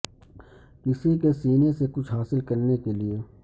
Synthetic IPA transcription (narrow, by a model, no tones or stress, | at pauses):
kɪsekesiːnesekʊt͡ʃʰɦaːsɪlkɐɾnekelie